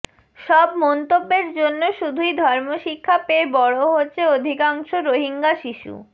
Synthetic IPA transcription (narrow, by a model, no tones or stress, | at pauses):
ʃɔbmɔnt̪obːeɾd͡ʑonːoʃud̪ʱujd̪ʱɔɾmoʃikʰːapeːbɔɽoɦotːɕʰeod̪ʱikaŋʃoɾoɦiŋɡaʃiʃṵ